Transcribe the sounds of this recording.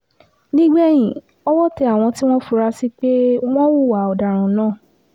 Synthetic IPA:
nĩ˦ɡ͡bɛ˦˨j̃ĩ˨ | ɔ˦wɔ˦tɛ˧a˦˨w̃ɔ̃˧ti˦w̃ɔ̃˦fu˧ɾa˧si˦k͡pe˦w̃ɔ̃˦wu˦˨wa˨˦ɔ˨da˨ɾ̃ũ˨˦nãː˦˨

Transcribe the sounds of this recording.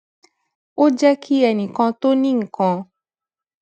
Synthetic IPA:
wo˦d͡ʒɛ˦kʰi˦ɛ˨nĩ˨kã˧t̪o˦nĩ˦ŋ̩˨kɔ̃˧

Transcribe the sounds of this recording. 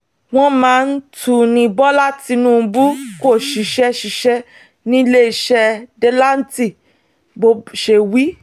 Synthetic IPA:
w̃ɔ̃˦mãː˨˦n̩˦tʰu˦˨nĩ˧bɔ˦la˦ti˧nũ˦˨˧bu˦ko˦˨ʃi˨˦ʃɛ˦ʃi˧˦ʃɛ˦ | nĩ˦le˦i˧ʃɛ˧de˦la˦n̩˦ti˦˨ | bo˧˦ʃe˧wi˦

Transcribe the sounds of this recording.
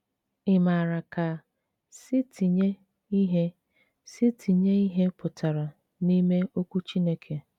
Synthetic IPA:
ɪ˨ma˨ɾa˨ka˨ | si˦tʰi˨ɲe˦ | i˦ɦe˦ | si˦tʰi˨ɲe˦i˦ɦe˦pʊ˨ta˨ɾa˨ | ni˦me˦ʔo˦kʷu˦t͡ʃi˦ne˦kʰe˨

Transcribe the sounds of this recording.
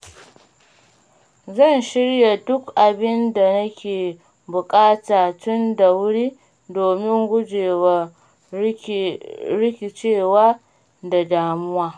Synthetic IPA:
zɐ˦˨nʃɪ˦ɽja˨dʊ˦kʔa˨bɪ˦nda˨nɐ˦kʲʰeː˨ | bʊ˨kʼaː˦taː˨tʊ˦nda˨wʊ˦ɽiː˦ | doː˨mɪ˦ŋɡʷʊ˦d͡ʒeː˨wa˦ | ɾɪ˦kʲi˨t͡ʃeː˦˨waː˦ | da˨daː˨mʊ˦waː˦

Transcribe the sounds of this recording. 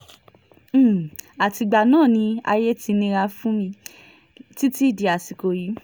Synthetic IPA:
a˨ti˧ɡ͡ba˨nãː˦˨nĩ˧a̰˧je˦ti˧nĩ˧ɾa˧fũ˦mĩ˧ | ti˦ti˦i˦˨di˨a˨si˨ko˧ji˨˦

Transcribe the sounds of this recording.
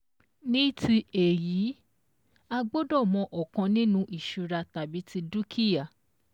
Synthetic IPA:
nĩ˦ti˧e˨jiː˨˦ | a˧ɡ͡bo˦dɔ˦˨mɔ̃˧ʔɔ˨kã˧nĩ˦nũ˦ʔi˨ʃu˧ɾa˧ta˨bi˨˦ti˧du˦kʰi˦ja˦˨

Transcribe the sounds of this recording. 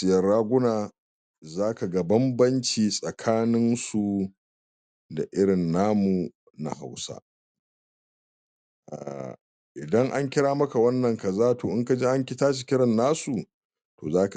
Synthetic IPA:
sɪ˨jɐ˨ɽaː˦ɡʷʊ˦naː˨ | zaː˦ka˨ɡɐ˦bɐ˦mbɐ˦nt͡ʃiː˨sʼɐ˨kʰaː˦nɪ˦nsu˨ | da˨ʔɪ˦ɽɪ˨nːaː˦mu˨ | na̰˨ha̰˨wsa̰˦ | ʔa̰˨ | ʔɪ˨dɐ˦ŋʔa˦ŋkʲɪ˦ɽaː˦mɐ˦ka˨wɐ˦nːɐ˨ŋkɐ˨zaː˦toː˨ʔɪ˦ŋka˨d͡ʒeː˦ʔa˦ŋkʲɪ˦taː˦ʃi˨kʲɪ˦ɽɐ˨nːaː˦su˨ | to̰ː˨zaː˦ka˨

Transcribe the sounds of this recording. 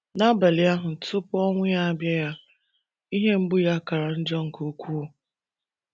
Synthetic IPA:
na˦ba˨lɪ˨a˦ɦʊ˨n̩˨tʊ˦pʊ˦ɔ˦ŋʷɪ˦a˦˨bja˦ja˦ | i˦ɦe˦m̩˦bʊ˦ja˦ka˨ɾa˨n̩˦d͡ʒɔ˦ŋ̩˨ko˦kʷu˦˨

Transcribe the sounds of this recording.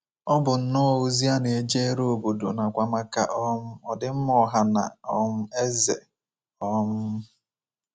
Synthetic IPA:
ɔ˦bʊ˨n̩˦nʊ˦˨o˦zi˦a˦ne˨e˦d͡ʒe˦e˦ɾo˨bo˨do̰˨na˨kʷa˦ma˦ka̰˦ʔɔ˦m̩˦ɔ˨dɪ˦m̩˦mɔ˨˦ɦa˦na̰˨ɔ˦m̩˦e˦zḛ˨ | ɔ˦m̩˦

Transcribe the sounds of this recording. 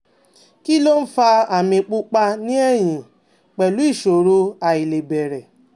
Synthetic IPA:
ki˦lo˦n̩˦fa˧a˨mĩ˧k͡pu˦k͡pa˧nĩ˦ɛ˦˨j̃ĩ˨ | k͡pɛ˨lu˨˦i˦˨ʃo˨ɾu˦a˧i˨le˨bɛ˨ɾɛ˨

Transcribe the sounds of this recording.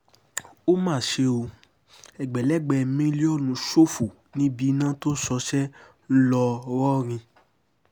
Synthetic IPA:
o˦mãː˦˨ʃe˧o˧ | ɛ˨ɡ͡bɛ˨lɛ˦˨ɡ͡bɛ˧˨˧mĩ˦li˦ɔ˦˨lũ˨˧˦ʃo˦fu˨ | nĩ˦bi˧˦nã˦to˦sɔ˧ʃɛ˦ | n̩˦lɔ˧wɔ˦˨ɾ̃ĩ˧

